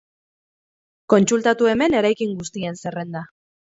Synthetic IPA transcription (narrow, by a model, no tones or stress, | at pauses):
ko̞nt͡sult̪at̪ue̞me̞ne̞ɾajkiŋɡust̪ie̞nse̞re̞nd̪a